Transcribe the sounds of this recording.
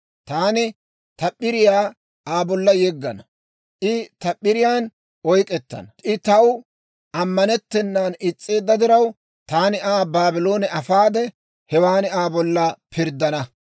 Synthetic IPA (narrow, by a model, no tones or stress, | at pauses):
t̪aːnɪ | t̪ɐpʼːɪɾɪjaː | aːbɔlːɐjɛɡːɐnɐ | ʔɪt̪ɐpʼːɪɾɪjaːn | ʔɔjkʼɛt̪ːɐ̰nɐʔɪt̪ɐw | ʔɐmːɐnɛt̪ːɛnːaːnɪt͡sʼːe̞ːd̪ːɐd̪ɪɾɐw | t̪aːnɪʔaːbaːbɪlo̞ːnɛɐfaːd̪ɛ | hɛwaːnɪaːbɔlːɐpʰɪɾd̪ːɐnɐ